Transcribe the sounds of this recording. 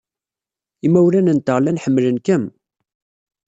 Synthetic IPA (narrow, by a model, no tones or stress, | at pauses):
imːæwɾænənt̪əʁlænħəmːlənkəm